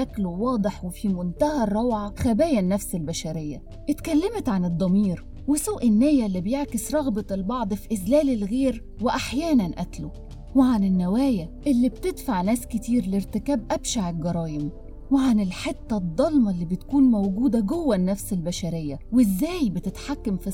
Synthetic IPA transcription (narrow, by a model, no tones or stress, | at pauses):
ʔæklowɑːd̪ˤeħwɪfimʊnt̪æhærˤːɑwʕɑxæbæːjænːæfsɪlbæʃæɾɪjːæ̰ | ʔɪt̪kælːemt̪ʕanɨd̪ˤːɑmiːɾ | wɪsoːʔɪnːæːjælːibejeʕkɪsɾˤɑɣbɑɪlbɑʕd̪ˤfiʔɪzlæːlɪlɣeːɾ | wɪʔaħjæːnænʔæt̪lo | wɪʕanɪnːæwæːjæʔɪlːib̚t̪ed̪faʕnæːskɪt̪iːɾlɪɾt̪ɪkæːbʔæbʃaʕɪlɡɑɾˤɑːjɪm | wɪʕanɪlħet̪ːɑd̪ˤːɑlmɑlːibɪt̪kuːnmæwɡuːd̪æɡowːænːæfsɪlbæʃæɾejːæwɪzːæːjbɪt̪ɪt̪ħakːamfi